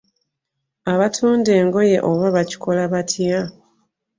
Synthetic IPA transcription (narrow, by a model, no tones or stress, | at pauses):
aβatʰuːnde̞ːŋɡo̞jḛʔoβaβaci̥kʰo̞laβatʰja